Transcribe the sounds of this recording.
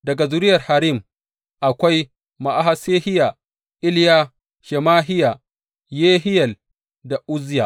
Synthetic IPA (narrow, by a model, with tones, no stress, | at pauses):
dɐ˨ɡa˨zʊ˨ɾɪ˦jɐ˨rha˨ɾiː˦˨m | ʔa˨kʷa˦j | ma˨ʔa˦ɦa˦seː˦hɪ˦ja˨ | ʔɪ˦lja˦ | ʃɛ˨maː˦ɦɪ˦ja˨ | jeː˦ɦɪ˦jɐ˨l | da˨ʔʊ˦zɪ˦ja˨